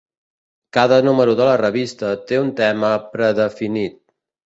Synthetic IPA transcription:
kaðənuməɾuðələrəβ̞ist̪ət̪eunt̪ɛməpɾəðəfinit̪̚

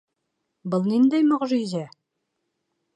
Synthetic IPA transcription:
bɤlˠnind̪æjmŏʁʒizæ

